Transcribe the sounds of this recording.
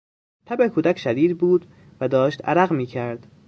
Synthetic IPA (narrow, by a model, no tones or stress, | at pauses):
t̪ʰæbekʰuːd̪æcʰʃæd̪iːd̪buːd̪ | væd̪ɒːʃt̪æ̰ɾæɣmiːcʰæɾd̪̥